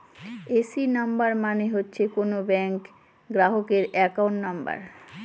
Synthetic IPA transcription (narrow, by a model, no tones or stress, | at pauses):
esinambaɾmaneɦotːɕʰekonobɛŋk | ɡɾaɦokeɾɛkaoɳnamba̰ɾ